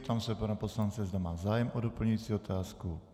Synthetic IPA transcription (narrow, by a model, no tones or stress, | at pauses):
t̪amsɛpanaposlant͡sɛzd̪amaːzaːjɛmʔodopl̩ɲuit͡siot̪ʰaːsku